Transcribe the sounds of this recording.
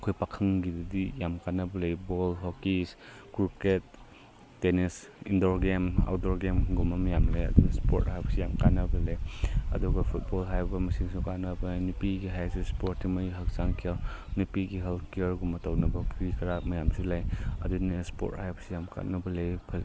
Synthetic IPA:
ɐkʰojpakʰɐŋɡidɐdijamkatnːɐbɐlejbolɦokis | kuɾket̚ː | enis | indoɾɡema̰wdoɾɡemɡumɐmjamlejɐ̰duɡspo̰thajbsijamkanːɐbɐlejɐ̰duɡɐpʰut̚bolɦajbɐmɐsiŋsukanɐbɐnupiɡiɦajsispoɾimɐjɦɐk̚saŋkʰijawnupiɡiɦelkijɐɾɡumɐtawnɐbɐpʰuɾikʰɐɾamɐjamsulajɐ̰dunispo̰thajbɐ̥sijamkʰa̰tnɐbɐlejpʰɐ

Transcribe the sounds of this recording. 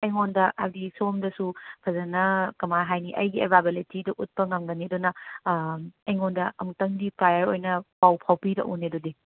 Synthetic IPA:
ɐjŋondɐʔa̰bdisomdɐsupʰɐzɐnɐkɐmaɦajniʔɐjɡiebabelitidɐʔut̚pɐŋamɡɐniɐdonɐ | ɐjŋondɐɐmtɐŋdipʰajɐɾo̰jnɐpawpʰawpidɐ̰ʔṵnedodi

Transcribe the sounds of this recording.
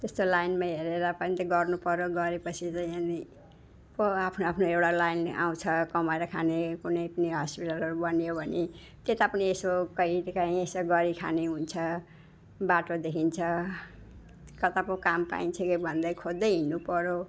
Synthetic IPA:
t̪est̪olajnmaɦeɾeɾʌpʌnĩt̪ʌɡʌrnupʌɾoɡʌɾepʌt͡sʰit͡saĩani | poapʰnoapʰnoewɽalajna̰w̃t͡sʰʌkʌmaeɾʌkʰanekunʌjpniɦʌspiʈalʌɾubʌnjobʱʌne | t̪et̪apʌniesokʌikãĩesʌɡʌɾikʰa̰neɦunt͡sʰʌ | baʈod̪ekʰint͡sʰʌ | kʌt̪apokampa̰int͡sʰʌkʌbʱʌnd̪ʌjkʰod̪ːʌjɦinupʌɾo

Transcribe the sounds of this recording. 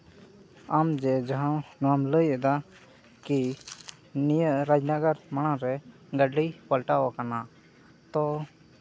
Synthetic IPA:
amd͡ʒɛd͡ʒaɦãnamləjɛd̪a | ki | nijəʔɾad͡ʒnaɡəɾmaɽ̃aɾɛ | ɡəɖijpəlʈawakana | t̪ɔ

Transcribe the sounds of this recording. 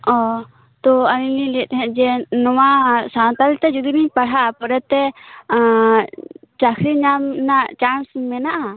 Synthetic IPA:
ɔ | t̪ɔanililɛt̪̚ɦɛ̃ʔd͡ʒɛnɔwasant̪alt̪ɛd͡ʒud̪iniɲpaɽ̤aʔapɔɾɛt̪ɛ | t͡ʃakʰɾiɲamnaʔt͡ʃansmɛnaʔa

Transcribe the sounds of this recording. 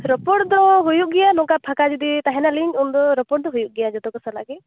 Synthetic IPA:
ɾɔpɔʈd̪ɔɦujuʔ̚ɡɛjanɔkapʰakad͡ʒud̪it̪aɦɛnaliɲt͡ʃund̪ɔɾɔpɔʈ̚d̪ɔɦujuʔ̚ɡɛjad͡ʒɔt̪ɔkɔsalaki

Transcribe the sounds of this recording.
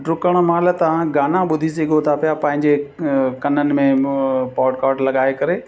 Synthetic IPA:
ɖɾʊkəɽ̃mãːlət̪ɐʋ̤ãɡaːnãɓʊd̪ʱis̬eɡoːt̪ʰaːpijapɐ̃ɦɪ̃ɲd͡ʑekɐnənɪ̆mẽpɔːʈkaːʈlɐɠaːekɐɾeː

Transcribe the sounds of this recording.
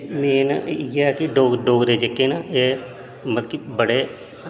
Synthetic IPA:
meːnɡɛːkɪɖoːɡɖoːɡd̪eːd͡ʒekːeːnaːeː | mət̪əkibəɽeː

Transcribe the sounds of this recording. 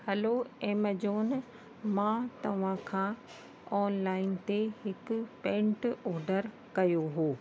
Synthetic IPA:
hɐloeːmɐd͡ʑoːn | mãt̪ɐʋ̤ãkʰãː | ɔːnlaːɪnt̪eɦɪkʊ̆pɛ̃ːɳʈɔːɾɖəɾ | kɐjoɦoː

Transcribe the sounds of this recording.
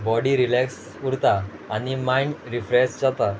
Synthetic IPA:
bɔɽiɾilɛks | uɾt̪aː | nimaiɳɖɾifɾɛsd͡ʑat̪a

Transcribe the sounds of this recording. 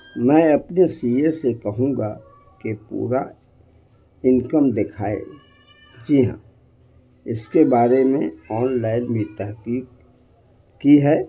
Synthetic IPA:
mɛ̃ːɐpnesiesekɐɦũːɡa | kepṵːɾa̰ | ɪnkəmd̪ɪkʰaːḛ | d͡ʒiːɦã̰ | ɪskebaːɾemẽɔːnlaːɪnbit̪ɐɦkiːk̚ | kiɦɛː

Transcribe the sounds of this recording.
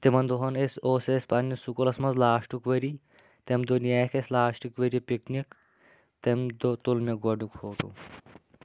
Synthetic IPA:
t̪emɐnd̪oɦɐnesoːsespɐnːisukolɐsmɐnzlaːʃʈukʋɐɾi | t̪emd̪onijaːkʰeslaːʃʈikʋɐɾipiknik | t̪emd̪ot̪ulmeɡwɐɖukfʰoːʈṵ

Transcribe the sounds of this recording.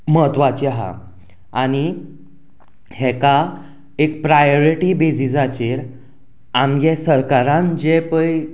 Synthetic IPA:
məɦət̪ʋat͡ɕiɦa̰ | añi | hɛka | ek̚pɾajoɾiʈibed͡zid͡zat͡ɕeɾ | amjesəɾkaɾãnd͡ʑepəj

